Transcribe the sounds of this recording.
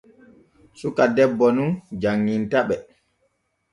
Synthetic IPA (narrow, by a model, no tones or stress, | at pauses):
sukadɛbːɔnund͡ʒaŋːintaɓɛ